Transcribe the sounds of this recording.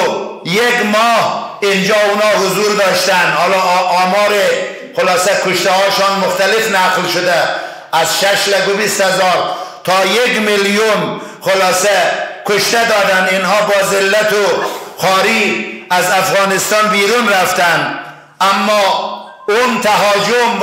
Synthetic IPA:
jeɡmɔːhind͡ʒɑːunɑːhʊzuɾd̪ɒːʃt̪ænhɑlɑːmɑːɾe | xʊlɑːsɛkʰʊʃt̪ahɑːʃɑnmʊxt̪alɪfnæqlʃʊd̪æː | zʃaʃlæɡʊbist̪hazɑːɾt̪ʰɒːjeɡmiljunxʊlɑːsɛkʊʃt̪ad̪ɒːd̪aninhɑːbɒːzɪlːat̪ʊxɑːɾiazafɣɑːnɪst̪ɑːnbiːɾunɾaft̪æn | amːɔː | unt̪aɦɑːd͡ʒʊm

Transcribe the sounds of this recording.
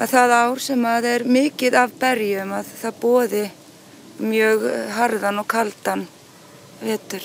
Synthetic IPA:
aðθaðaːwɾ̥sɛmaðɛɾmɪːcɪðavpɛɾjʏmaðθaðpɔːðɪ | mjœːɣɦaɾðanɔɣkʰalt̪an | vɛːt̪ʏɾ̥

